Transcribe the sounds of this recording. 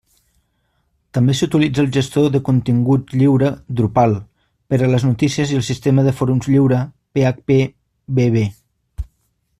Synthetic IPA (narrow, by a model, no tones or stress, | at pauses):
t̪əmbesut̪ilid͡zəːlˠʒəst̪oðəkunt̪iŋɡut̪ʎiwɾəd̪ɾupalˠ | pəɾələznut̪isiəziəlˠsist̪eməðəfoɾumzʎiwɾə | peak̚pe | βeβe